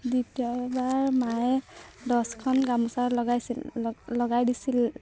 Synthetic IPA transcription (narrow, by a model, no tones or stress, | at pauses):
dutiɔbaɹmajdɔskʰɔnɡamusaɹlɔɡajsillɔɡajdisil